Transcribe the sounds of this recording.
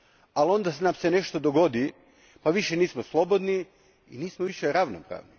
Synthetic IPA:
alo̞nd̪asnamseneʃt̪od̪oɡo̞d̪i | paʋiʃeniːsmoslˠo̞bod̪ni | ḭniːsmoʋiʃeɾaʋnopɾa̰ʋni

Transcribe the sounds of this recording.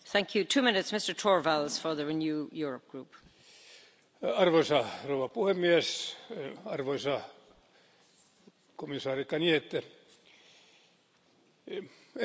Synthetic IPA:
θæ̃ŋkʰjutʰʉːmɪ̃nɪtsmɪstə˞tʰɔːɹvalz̥fə˞ðəɹinjuːjʊːɹəp̚ɡ̥ɹuːp | ɑrʋoisɑrouʋɑpuhemːies | ɑrʋoisɑ | komisɑːrikːɑniet̪ːæ

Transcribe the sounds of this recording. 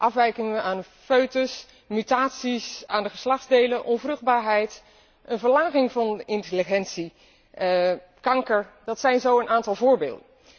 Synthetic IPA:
ʔɑfʋɛjkɪŋəʋəʔaːnə | foɥtəs | mytaːtsisaːndəχəslɑχdzdejləʔɔnvrɵχd̚baːɹɦɛjt | ʔənvəɹlaːχɪŋvɑnɪnteliχɛntsi | kɑŋkəɹdɑtsɛjnzowənaːntɑlˠvʊːɹbḛːlˠdən

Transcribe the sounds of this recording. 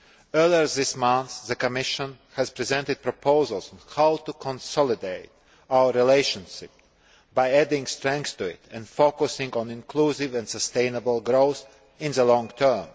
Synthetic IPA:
ɜ˞liə˞ðɪsmãnθðəkɔmɪʃə̃n | hæz̥pɾizɛ̃nt̪ɨd̪̚pɾɔpʰoʊzəlˠzɔ̃nhaʊt̪ukʰɔ̃nsɔlˠɪdeɪt̚ | aʊə˞ɾileɪʃə̃nʃɪp̚ | bajædɪ̃ŋɡst̪ɾɛ̃ŋkθst̪uɪt̪ɛ̃ndfokusɪ̃ŋɡɔ̃nɪ̃nkʰluːsɪvɛ̃nsəst̪ẽɪ̃nəbəlˠɡɾoʊθ | ɪ̃nðəlɔ̃ŋt̪ʰɜ˞m

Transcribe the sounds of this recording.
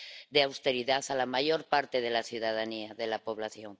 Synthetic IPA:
d̪eawst̪e̞ɾiðaθalamaʝo̞ɾpaɾt̪e̞ðe̞laθjuðaðaniaðe̞lapo̞βlaθjo̞ŋ

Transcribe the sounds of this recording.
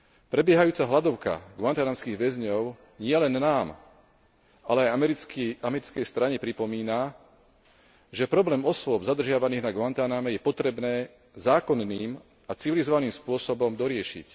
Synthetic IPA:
pɾɛbɪɛɦajuːt͡saɦlad̪ɔʊka̰ɡʊant̪anaːmskiːɣʋɛzɲɔʊ | ɲɪɛlɛnːaːm | alɛaj | amɛɾit͡skɛjst̪ɾaɲɛpɾipɔmiːna | ʒɛpɾɔblɛːmɔsʋʊɔbzad̪r̩ʒɪaʋaniːɣnaɡʊant̪anamɛjɛpɔt̪ɾɛbnɛː | zaːkɔnːiːm | at͡siʋilizɔʋaniːmspʊɔsɔbɔmd̪ɔɾɪɛʃḭc

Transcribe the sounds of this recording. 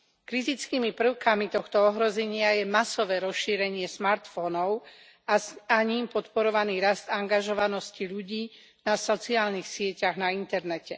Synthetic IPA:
kɾit̪it͡skiːmipr̩ʊkamit̪ɔxt̪ɔɔɦɾɔzɛɲɪajɛmasɔʋɛːɾɔsʃiːɾɛɲɪɛsmaɾt̪fɔnɔʊ | asaɲiːmpɔt̪pɔɾɔʋaniːɾazd̪aŋɡaʒɔʋanɔsciʎuɟiː | nasɔt͡siaːlnixsɪɛcaɣnaint̪ɛɾnɛcɛ

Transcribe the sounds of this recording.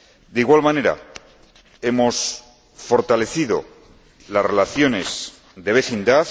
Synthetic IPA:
d̪eiɣwalmãne̞ɾa̰ | e̞mo̞s | fo̞ɾt̪ale̞θiðo̞̰ | lasre̞laθjo̞ne̞s | ðe̞βe̞θind̪aθ

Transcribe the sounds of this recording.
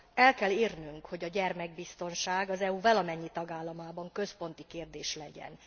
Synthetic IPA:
ɛlkɛliːrnyŋkho̞ɟɒɟɛrmɛɡ̚bist̪o̞nʃaːɡɒzɛuvɒlɒmɛɲːit̪ɒɡaːlːɒmaːbɒŋkø̞spo̞nt̪ikeːrd̪eːʃlɛɟɛ̰n

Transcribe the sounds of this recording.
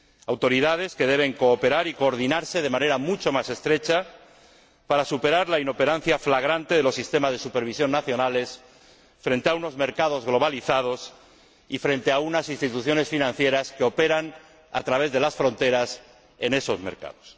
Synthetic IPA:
awt̪oɾiðað̞e̞ske̞ðe̞β̞e̞ŋko̞ːpe̞ɾaɾiko̞ːɾð̞inaɾse̞ð̞e̞mãne̞ɾamut͡ʃomase̞st̪ɾe̞t͡ʃa | paɾasupe̞ɾaɾlaino̞pe̞ɾanθjaflaɣ̞ɾant̪e̞ð̞e̞lo̞sist̪e̞mazðe̞supe̞ɾβ̞isjo̞nːaθjo̞nale̞s | fɾe̞nt̪e̞auno̞zme̞ɾkað̞o̞zɣlo̞β̞aliθað̞o̞s | ifɾe̞nt̪e̞aunasinst̪it̪uθjo̞ne̞sfinãn̟θje̞ɾaskeo̞pe̞ɾan | a̰t̪ɾaβe̞zðelasfɾo̞nt̪e̞ɾas | e̞ne̞so̞zme̞̰ɾka̰ðo̞s

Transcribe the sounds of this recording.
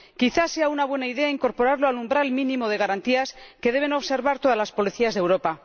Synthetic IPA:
kiθase̞aunaβwe̞naiðe̞aiŋko̞ɾpo̞ɾaɾloalumbɾalmĩnĩmo̞ð̞e̞ɣaɾant̪iaske̞ð̞e̞β̞e̞no̞βse̞ɾβaɾt̪oðalaspo̞liθiazðewɾo̞pa

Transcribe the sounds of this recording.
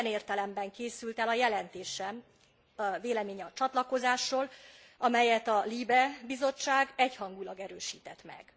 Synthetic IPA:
ɛneːrt̪ɛlɛmbɛŋkeːsylt̪ɛlɒjɛlɛnt̪eːʃɛm | veːlɛmeːɲɒt͡ʃɒt̪lɒko̞zaːʃːoːl | ʔɒmɛjɛt̪ɒliːbɛbizo̞t͡ʃːaːɡɛchɒŋɡulɒɡɛɾøːʃiːt̪ɛt̪mɛ̰ɡ̥

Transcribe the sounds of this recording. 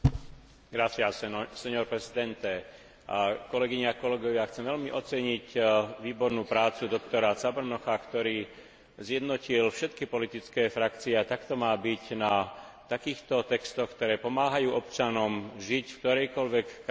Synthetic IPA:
ɡɾafiasɛɲɔɾpɾɛzid̪ɛnt̪ɛ | kɔlɛɡiɲaakɔlɛɡɔʋɪaxt͡sɛmʋɛʎmiʔɔt͡sɛɲicʋiːbɔɾnuːpɾaːt͡sud̪ɔkt̪ɔɾat͡sabr̩nɔxakt̪ɔɾiː | zjɛd̪nɔcilfʃɛt̪kipɔlit̪it͡skɛːfɾakt͡siɛat̪akt̪ɔmaːbicnat̪akiːxt̪ɔt̪ɛkst̪ɔxkt̪ɔɾɛːpɔmaːɦajuːʔɔpt͡ʃanɔmʒicfkt̪ɔɾɛjkɔlʋɛk

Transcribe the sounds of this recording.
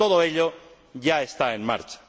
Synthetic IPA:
oðoeʎo | ʝae̞st̪aenma̰ɾt͡ʃḁ

